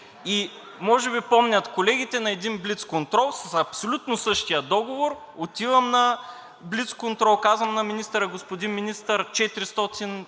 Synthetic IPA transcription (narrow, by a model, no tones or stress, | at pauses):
i | mɔʒɛbipɔmnʲɐt̪kolɛɡ̟it̪ɛnɐɛd̪inblit̪skont̪ɾɔlˠsɐsɐpsolʲut̪nosɤʃt̪ijəd̪ɔɡovoɾ | ot̪ivɐmnɐ | blit̪skont̪ɾɔlˠkazvəmnɐminist̪əɾəɡospod̪inminist̪əɾt͡ʃɛt̪iɾist̪ɔt̪in